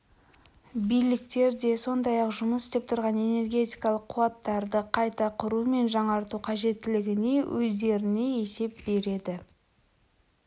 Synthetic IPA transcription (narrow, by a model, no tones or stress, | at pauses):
bijlɪkt̪e̞ɾd̪e̞so̞nd̪ɑjɑqʒʊməsɪ̥st̪e̞p̚t̪ʰʊɾʁɑne̞ne̞rɡʲe̞t̪ijkɑlˠəqʰːʊwɑt̪ːɑɾd̪əqʰɑjt̪ɑqʰʊɾume̞nʒɑɴɑɾt̪uqʰɑʒe̞t̪ːɪlɪɡʲɪne̞wʔɵzd̪e̞ɾɪne̞e̞se̞p̚be̞ɾe̞d̪ɪ